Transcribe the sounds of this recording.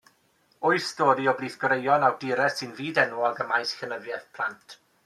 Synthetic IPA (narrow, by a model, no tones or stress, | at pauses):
ɔɨsd̥oːdiɔbliːθɡ̥ɔɾejɔnawdɪɾɛsɪnviːdɛnwɔlˠɡəmajsxənəvjɛθpʰlˠantʰ